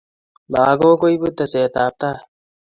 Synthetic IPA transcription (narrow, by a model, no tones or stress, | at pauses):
maːɡoːkoibut̪ːɐseːt̪aːp̚t̪a